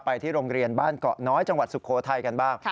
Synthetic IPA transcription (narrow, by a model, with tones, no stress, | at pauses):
pa˧jt̪ʰiː˥˩ɾoː˧ŋɾi˧ənbaː˥˩nkɔ̰˨˩ʔnɔː˦˥jt͡ɕa˧ŋwa˨˩t̪̚su˨˩kʰoː˩˦t̪ʰa˧jka˧nbaː˥˩ŋ